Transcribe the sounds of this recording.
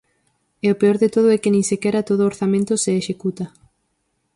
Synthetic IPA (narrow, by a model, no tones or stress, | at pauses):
ɛopeoɾðet̪oð̞ʊɛkɪnĩŋsekɛɾɐt̪oðʊoɾθamẽnt̪ʊseːʃekut̪ɐ